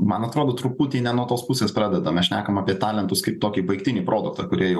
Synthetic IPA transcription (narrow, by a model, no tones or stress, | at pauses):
mɐnɐt̪ɾoːd̪oːt̪ɾʊpuːt̪ʲiːnʲɛnuɔt̪oːspʊsʲeːspɾɑːd̪ʲɛd̪ɐmʲɛsʃʲnʲæ̰ːkɐmɑːpʲiɛt̪ɑːlʲɛnt̪ʊskɐɪp̚t̪oːkʲibɐɪkt̪ʲɪnʲiːpɾoːd̪ʊk̚t̪ɐkʊɾʲiɛjɛʊ